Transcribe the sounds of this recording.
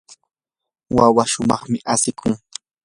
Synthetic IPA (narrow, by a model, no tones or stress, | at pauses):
wawaʃʊmɑχmɪʔasɪkʰʊŋ